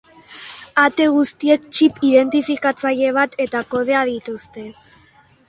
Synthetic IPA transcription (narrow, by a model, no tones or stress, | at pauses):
at̪e̞ɣ̞ust̪ie̞kt͡ʃipiðe̞nt̪ifikat͡saʎe̞β̞at̪ʰe̞t̪ako̞ð̞e̞aðit̪ust̪e̞